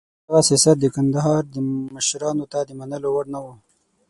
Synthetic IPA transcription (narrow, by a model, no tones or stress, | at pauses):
aɣasjɑsat̪̚d̪əkand̪aɦɑɾd̪əməʃɾɑnot̪ad̪əmanəlowaɽnawu